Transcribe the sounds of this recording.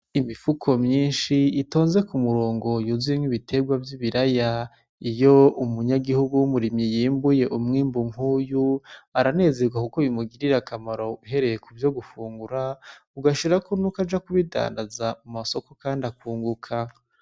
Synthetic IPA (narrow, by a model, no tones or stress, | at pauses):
imifukʰo̞mɲiːnʃiito̞ːnze̞kumuɾoːŋɡo̞juziimŋiβitʰe̞ɡwavjiβiɾaja | ijo̞umuɲaɡihuɡuwumuɾimjijiːmbuje̞ʔumŋiːmbuŋ̥uːjuaɾane̞ːze̞ɡwakukoβimuɡiɾiɾakʰamaɾo̞uɦe̞ɾe̞jekuvjo̞ɡufuːŋɡuɾauɡaʃiɾakonukad͡ʒakuβida̰ːndazamumaso̞ko̞kaːndakuːŋɡukʰa